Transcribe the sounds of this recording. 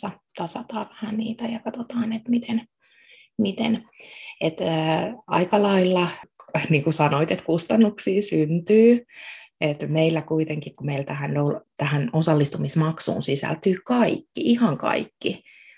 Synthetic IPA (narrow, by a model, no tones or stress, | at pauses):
ɑt̪ɑsɑt̪ɑːʋæhænniːt̪æjɑkɑt̪ot̪ɑːnet̪mit̪en | mit̪ḛnet̪ː | ɑikɑlɑilːɑniːŋkusɑnoit̪et̪kust̪ɑnːuksiːsynt̪yː | et̪meilːækuit̪eŋkikkumeilt̪æhænolt̪æhænosɑlːist̪umismɑksṵːnsisæ̰lt̪yːkɑikːiʔihɑŋkɑ̰ikːi